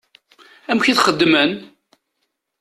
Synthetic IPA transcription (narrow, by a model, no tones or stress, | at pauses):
æmçiθχəd̪ːmən